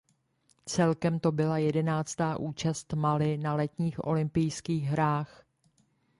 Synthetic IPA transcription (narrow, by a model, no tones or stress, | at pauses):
t͡sɛlkɛmt̪o̞bɪlajɛdɛnaːt͡st̪aːʔuːt͡ʃast̪malɪnalɛt̪ɲiːxʔo̞̰lɪmpɪjskiːɣɦɾaːx